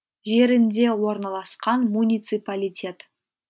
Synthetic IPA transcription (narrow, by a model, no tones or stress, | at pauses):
ʒe̞ɾɪnd̪e̞wo̞ɾnɑlˠɑsqɑnmunʲijt̪sɨpalʲijtʲʰe̞t̪